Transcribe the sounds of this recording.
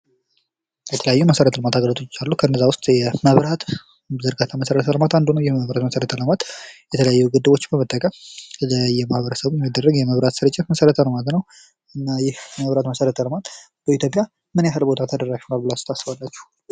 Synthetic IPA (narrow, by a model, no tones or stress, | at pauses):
jɛt̪ʰəljajːuməsəɾət̪ʰələmat̪ʰaɡələt̪ʰot͡ʃːalːukʰəɨnːəzawʊst̪ʼjɛməβɾat̪ | zəɾɡat̪ʰaməsəɾət̪ʰələmat̪and̪unəwjɛməβɾat̪məsəɾət̪ʰələmat̪jɛt̪ʰələjajːuɡɨd̪ːɨβo̞t͡ʃːɪmbəmət̪ʼːəkʼəmləjɛmahbəɾəsəβjɛmːid̪ːərːəɡjɛməβɾat̪sɨɾɨt͡ʃʼːɪməsəɾət̪ʰələmat̪nəw | ʔɨnːajɪhməβɾat̪məsəɾət̪ʰələmat̪ | b̥əit̪jo̞pʼja | mɨnjaɦɨlbo̞t̪ʰat̪ʰəd̪ərːaʃhunalbɨlast̪ʰasːɨβalːat͡ʃːɛ̥h